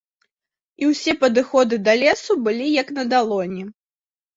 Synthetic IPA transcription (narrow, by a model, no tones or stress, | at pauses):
iwsʲɛpɐd̪ɨxɔd̪ɨd̪ɐlʲɛsubɨlʲijɐknɐd̪alˠɔnʲɛ